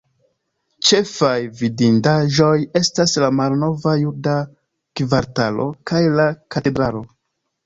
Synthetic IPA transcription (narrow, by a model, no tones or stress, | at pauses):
t͡ʃe̞fajvidindaʒo̞je̞staslamalno̞vajuda | kvaɾtalo̞̰kajlakate̞dɾalo̞